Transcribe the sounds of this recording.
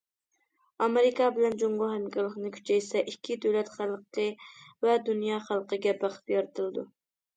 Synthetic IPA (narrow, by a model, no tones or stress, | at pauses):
ɑmɪɾɪkɑbɪlɛnd͡ʒoŋʁʊɦɛmkʰʲɑɾlˠəχnɨkʲʰy̥t͡ʃʰɛjsɛʔikʲʰːid̪øwlɛt̪χælˠqʰəvɛd̪unjɑːχælˠqəɡʲɛbɑqə̥pjɑɾɨt̪ʰɨlˠɨd̪ṵ